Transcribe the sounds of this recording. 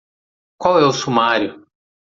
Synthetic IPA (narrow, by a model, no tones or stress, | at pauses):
kwawɛʊsumaɾjʊ